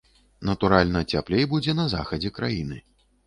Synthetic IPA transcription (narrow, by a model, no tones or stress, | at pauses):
nɐt̪uɾalʲnɐt͡sʲaplʲejbud͡zʲɛnɐza̰xɐd͡zʲɛkɾajinɨ